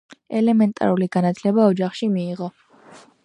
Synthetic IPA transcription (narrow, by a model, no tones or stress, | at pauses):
ɛlɛmɛnt̪ʼa̰ɾuliɡanat̪ʰlɛbaɔd͡ʒaχʃimiːʁɔ